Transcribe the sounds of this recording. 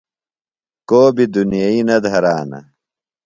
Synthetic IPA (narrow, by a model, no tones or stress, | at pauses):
koːbid̪unijɐinɐd̪ʱɐɾaːnɐ̰